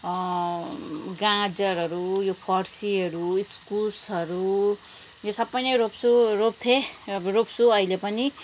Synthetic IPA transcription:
ɡãd͡zʌɾʌɾujopʰʌrsiʌɾuiskulsʌɾu | josʌbːʌjnʌɾopsurop̚t̪ʰeropsuʌilepʌni

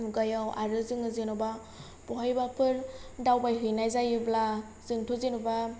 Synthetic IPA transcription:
ɡajawaɾɯzɯŋɯzenɔba | b̥ɔɦajbapʰɯɾdawbajɦɯjnajzajɯbla | z̥ɯŋtʰozenuba

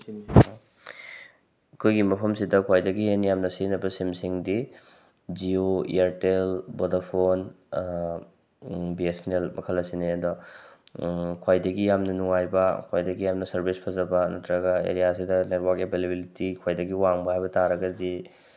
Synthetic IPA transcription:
ɐkʰojɡimɐpʰɐmsidɐkʰojdɐɡijenijamnɐsinɐbɐsimsiŋdi | d͡ʒioiaɾtelbodapʰon | biesnelmɐkʰɐlːɐsineɐdɔ | kʰojdɐɡijamnɐnuŋajbɐkʰojdɐɡijamnɐsɐɾbʱispʰɐzɐbɐnɐtɾɐɡɐḛɾijas̬idɐnetwakebʱelebilitikʰojdɐɡiwaŋbɐhajbɐtaɾɐɡɐdi

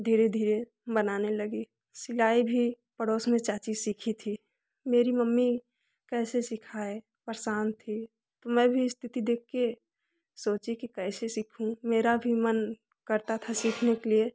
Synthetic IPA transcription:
d̪ʱiːɾed̪ʱiːɾe | bənaːneləɡi | sɪlaːibʱi | pəɽoːsmẽt͡ʃaːt͡ʃisikʰit̪ʰi | meːɾiməmːi | kɛːsesɪkʰae | pəɾsaːnt̪ʰi | t̪omɛ̃ːbʱiɪst̪ʰɪt̪id̪eːkːe | soːt͡ʃikikɛːsesɪkʰũmeːɾabʱimən | kəɾt̪at̪ʰasikʰnekelie

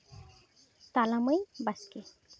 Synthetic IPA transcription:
t̪alaməjbaske

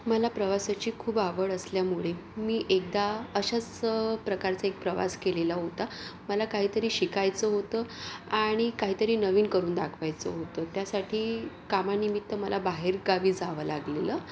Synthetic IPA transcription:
məlapɾəʋasat͡ɕiːkʰuːbaʋəɭəsljamuɭemiːʔek̚d̪aəɕat͡spɾəkaɾt͡saek̚pɾəʋa̰skelelaɦot̪aməlakaɦiːt̪əɾiːɕikajt͡səɦot̪əːaɽ̃ikaɦiːt̪əɾiːnəʋiːnkəɾuːnd̪akʰʋajt͡sə̰ɦot̪ət̪jasaʈʰiː | kamanimit̪ːəməlabaɦeɾɡaʋiːd͡zaʋəːla̰ɡleləː

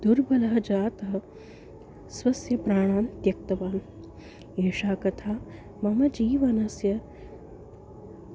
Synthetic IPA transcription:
d̪uɾbɐlɐɦɐd͡ʒaːt̪ɐɦɐ̆ | sʋɐsjɐpɾaːɳ̃aːnt̪jɐk̚t̪ɐʋaːn | eːʂaːkɐt̪ʰaː | mɐmɐd͡ʒiːʋɐnɐsjɐ

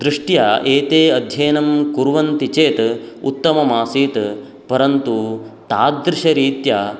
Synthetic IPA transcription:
d̪ɾɪʂʈjaeːt̪eːɐd̪ʱjɐːnɐmkuɾʋɐnt̪it͡ʃeːt̪ṵt̪ːɐmɐmaːsiːt̪ | pɐɾɐnt̪ut̪aːd̪ɾɪʃɐɾiːt̪jɐː

